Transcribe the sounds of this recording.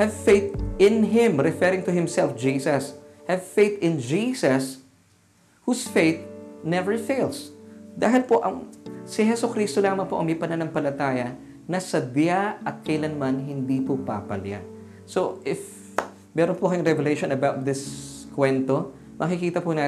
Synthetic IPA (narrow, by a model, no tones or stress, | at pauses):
hɛvfejt̪ɪ̃nɦɪ̃mɾɛfɛɾɪ̃ŋt̪ʊhɪ̃msɛlfd͡ʒiːsɐshɛvfejt̪ɪ̃nd͡ʒiːsɐs | husfejt̪̚nɛvɛɹfejlsd̪aːɦɪlpoʔɐŋsɪhɛsʊkɾiːst̪olaːmɐŋpoʔɐ̰ŋmɛpɐnanɐŋpɐlɐt̪aːjɐ | nɐsɐd̪jaʔɐt̪̚kɐjlɐnmanɦɪnd̪ipʊpa̰pɐlja̰ | soʔɪf | mɛːɾonpokɐjʊŋɾɛvɛlejʃonɐbawt̪̚d̪ɪskwɛnt̪o | mʔɐkɪkiːt̪ɐpʊnaː